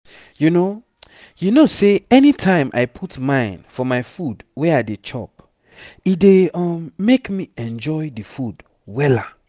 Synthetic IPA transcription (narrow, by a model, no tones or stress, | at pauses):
juno | junoseɛnitʰãɪ̃mʔa̰ɪpʰutmãɪ̃nfɔmaɪfudwɛaɪdet͡ʃʰɔ̰p̚ | ideɔmːekmiɛ̃nd͡ʒɔɪdifud | wɛla